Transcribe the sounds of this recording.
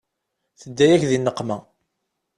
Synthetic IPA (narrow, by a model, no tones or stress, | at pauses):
θəd̪ːæjæçðinːəqːmæ